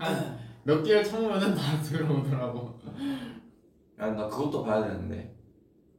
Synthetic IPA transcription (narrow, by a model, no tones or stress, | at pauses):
amjʌk̚t͈iɯɭt͡ɕʰʌŋumanɯntatʰɯɯɾʌdɯɾaɡo | anakɯɡʌt͈opajadenɯnde̞̰